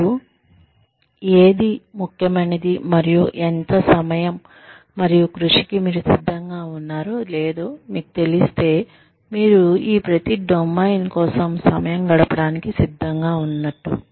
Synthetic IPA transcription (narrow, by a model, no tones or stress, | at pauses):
u | eːd̪imukʰjɐmɐnɐd̪imɐɾijuʔent̪ɐsɐmɐjɐmː | ɐɾijukɾuʂikimiːɾusid̪ʱːɐŋɡaːunːaːɾoːleːd̪o̞ːmiːku̥t̪e̞list̪e̞ː | miːɾuiːpɾɐt̪iɖomːɐjnkɔːsɐmsɐ̰mɐjɐmɡɐɽɐpɐɽaːnikisid̪ʱːɐŋɡaːunːɐʈːṵ